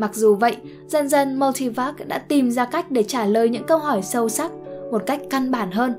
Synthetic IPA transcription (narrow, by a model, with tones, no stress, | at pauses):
ma˨˩k̚zu˨˩və̰˧˨j | zə˧nzə˧nmɔ˧t̪ʰi˧vaː˦˥k̚ɗa̰ː˧˥t̪i˨˩mzaː˧ka˦˥jk̟̚ɗe˧˩t͡ɕaː˧˩ləː˨˩jɲɨ̰˧˥ŋkə˧wɦɔ˧˩jsə˧wsa˦˥k̚mo˨˩t̚ka˦˥jk̟̚ka˧nɓaː˧˩nɦəː˧n